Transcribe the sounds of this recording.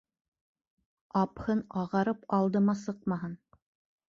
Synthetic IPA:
ɑphɤnɑʁɑɾɤpɑlˠd̪ɤmɑsɤqmɑɦɤn

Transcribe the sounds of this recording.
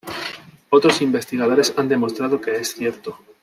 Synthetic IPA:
o̞t̪ɾosimbe̞st̪iɣað̞o̞ɾe̞sand̪e̞mo̞st̪ɾaðoke̞esθje̞ɾt̪o

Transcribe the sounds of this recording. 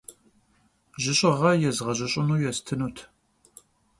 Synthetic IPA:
ʒɪɕʼɪʁɐjɛzʁɐʑɪɕʼɪnuːjɛstʰɨnuːtʰ

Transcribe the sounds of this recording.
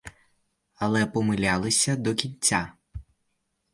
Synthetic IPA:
ɐlˠɛpɔmɪlʲalˠɪsʲɐd̪ɔkʲinʲt͡sʲːa

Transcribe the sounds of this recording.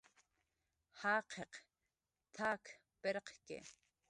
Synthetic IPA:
haːqʰeq | t̪ʰaːkʰ | pɛɾqʰkʲʼḛ

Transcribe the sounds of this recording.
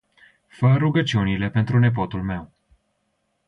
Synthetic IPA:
fəɾuɡət͡ʃiunile̞pe̞nt̪ɾune̞p̬o̞t̪ulme̞w

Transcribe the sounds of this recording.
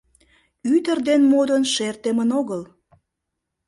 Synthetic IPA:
yt̪ərd̪enmod̪ənʃert̪emənoɣəl

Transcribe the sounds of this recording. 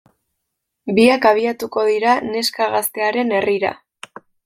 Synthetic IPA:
biakaβ̞iat̪uko̞ð̞iɾane̞skaɣast̪e̞aɾe̞ne̞riɾa̰

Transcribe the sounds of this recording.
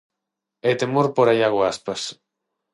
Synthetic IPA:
et̪emoɾpoɾaʎaɣoaspas

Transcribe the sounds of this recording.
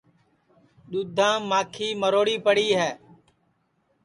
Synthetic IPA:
ɗ̪uːd̪ʱãːmaːkʰiːməɾoːɽiːpəɽiːɦɛː

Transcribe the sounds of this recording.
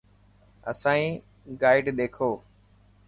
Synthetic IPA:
ə̰sãːĩː | ɡaːɪɖɗeːkʰoː

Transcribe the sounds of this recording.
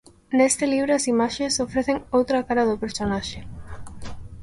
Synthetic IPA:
nest̪ɪliβ̞ɾʊɐsimaʃesofɾeθeŋowt̪ɾɐkaɾɐðʊpeɾsonaʃe

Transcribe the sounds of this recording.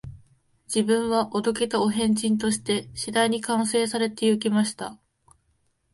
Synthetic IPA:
d͡ʑibɯ̟̃ɰ̃βaʔo̞d̪o̞ke̞t̪ao̞ɦẽ̞ɲd͡ʑĩnt̪̬o̞ɕi̥t̪e̞ɕid̪aiɲ̟ikãɰ̃se̞ːsaɾe̞t̪e̞jɯk̬ʲimaɕi̥t̪a

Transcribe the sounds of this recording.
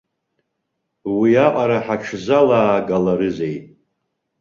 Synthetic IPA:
wiaqʼaɾaħaʈ͡ʂʰzalaːɡalaɾɨze̞jtʼ

